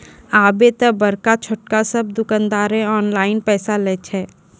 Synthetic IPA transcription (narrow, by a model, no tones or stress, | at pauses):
aːbet̪ɐbɐɾkat͡ʃʰʊʈ̚kasɐb̚d̪ʊkə̃nd̪aːɾẽɔːnlaːɪnpɛːsalɛːt͡ʃʰɛː